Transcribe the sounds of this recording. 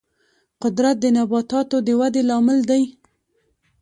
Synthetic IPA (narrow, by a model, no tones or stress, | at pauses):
qʊd̪ɾat̪̚d̪ənabɑt̪ɑt̪od̪əwad̪elɑmɪld̪aj